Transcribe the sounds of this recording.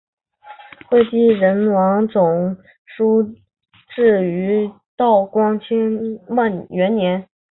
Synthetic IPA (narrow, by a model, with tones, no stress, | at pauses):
xwe˥˧ɪt͡ɕi˥˩ɻə˧˥nwɑ˧˥ŋt͡sʊ˨˩ŋ | ʂu˥ | ʈ͡ʂɻ̩˥˩y˧˥ | t̪ɑ˥˩ʊkwɑ˥ŋt͡ɕʰi˥ŋma˥˩nɥɛ˧˥nnjɛ˧˥n